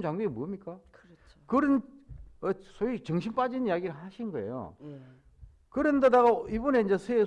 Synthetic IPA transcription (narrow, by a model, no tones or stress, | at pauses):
nt͡ɕaŋɡiemuʌmɲik͈a | kɯɾɯnʌsʰoit͡ɕʌŋɕʰinp͈ad͡ʑinijaɡiɾɯɭhaɕʰinnɡʌḛjo̰ | kɯɾendedaɣaibuneind͡ʑesʰee